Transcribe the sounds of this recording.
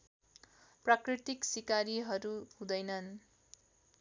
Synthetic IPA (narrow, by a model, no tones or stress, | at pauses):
prakrit̪iksikaɾiɦʌɾuhũd̪ʌjnʌn